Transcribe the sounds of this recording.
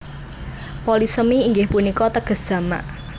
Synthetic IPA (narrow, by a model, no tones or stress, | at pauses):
polisəmiːŋɡɪhpunikɔt̪əɡ̥ə̤sd̥ʒ̥ä̤ma̰ʔ